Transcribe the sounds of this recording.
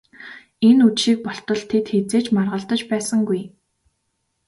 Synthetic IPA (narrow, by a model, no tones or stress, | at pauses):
enut͡ɕʃiːk̚pɔɬt̪ɞ̆ɮt̪ʰet̪xet͡seːt͡ɕmarʁə̆ɮt̪ə̆t͡ɕpæːsə̆ŋɡuj